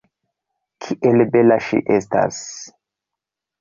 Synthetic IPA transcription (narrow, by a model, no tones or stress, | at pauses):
kʰiʔelbelaʃḭʔesta̰s